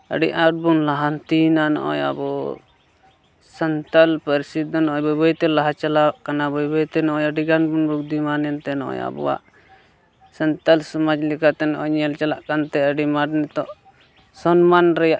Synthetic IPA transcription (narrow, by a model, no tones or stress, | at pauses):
ə̰ɖḭʔaʈ̚bunlaɦant̪inanɔ̰ʔɔ̰ja̰bɔ | sənt̪alpəɾisit̪ːɔnɔʔɔjbɔbɔjt̪ɛlaɦat͡ʃalawaʔkanabɔjbɔjt̪ɛnɔʔɔ̃jəɖiɡanbunbuɡ̚d̪imanɛnt̪ɛnɔ̰ʔɔ̰ja̰bɔ̰wa̰ʔ | sənt̪alsɔmad͡ʒlɛkat̪ɛnɔʔɔɲɛlt͡ʃalaʔkant̪ɛəɖimaɖnɛt̪ɔʔ | sɔnmanɾɛjaʔ